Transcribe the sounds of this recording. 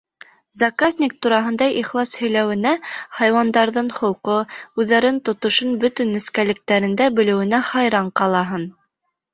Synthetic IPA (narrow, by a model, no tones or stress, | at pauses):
zɑkazʲnʲik̚t̪uɾɑɦɤ̆nd̪ɑjʔiχlˠɑshɵ̆jlæwɘ̆næχɑjwɑnd̪ɑɾðɤɴhŏlˠqoʉðːæɾɘnt̪ŏt̪ŏʃɤnbɵt̪ɘnɘ̆skælɘ̆k̚t̪æɾɘ̆nd̪æbɘ̆lɘ̆wɘ̆næχɑjɾɑɴqɑlˠɑɦɤn